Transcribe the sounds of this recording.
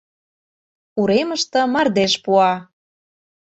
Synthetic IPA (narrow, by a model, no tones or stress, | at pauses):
uɾemə̆ʃt̪ɤ̆mɑrd̪eʃpuɑ